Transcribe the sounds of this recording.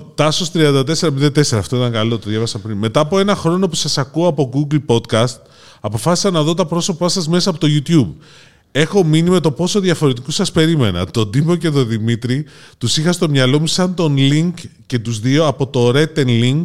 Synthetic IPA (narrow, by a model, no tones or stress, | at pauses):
t̪ɐsost̪ɾiɐnd̪ɐt̪̬e̞seɐmind̪ɐt̪e̞se̞ɾɐːft̪o̞it̪ɐŋkɐlo̞t̪oðʝɐvɐsɐpɾinme̞t̪ɐːpo̞enɐxɾo̞no̞pusɐsɐkuoɐpo̞ɡuɡlpo̞d̪kɐst̪ | ɐpo̞fɐsi̥sɐnɐðo̞t̪ɐpɾo̞so̞pɐsɐzme̞sɐːpot̪o̞ʝut̪jub | e̞xo̞minime̞t̪o̞po̞so̞ðjɐfo̞ɾe̞t̪̬ikusɐspe̞ɾime̞̰nɐ̰t̪o̞d̪ibo̞ce̞t̪o̞ðimit̪ɾit̪usixɐst̪o̞mɲɐlo̞musɐnt̪o̞nliŋkce̞t̪uzðio̞ɐpo̞t̪o̞ɾe̞t̪ːe̞nliŋɡ